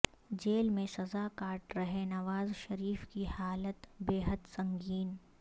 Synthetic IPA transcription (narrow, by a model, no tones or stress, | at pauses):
d͡ʒeːlmẽsɐzaːkaːʈɾɐɦẽnɐʋaːzʃɐɾiːfkihaːlət̪beːɦəd̪sɐ̃ŋɡiːn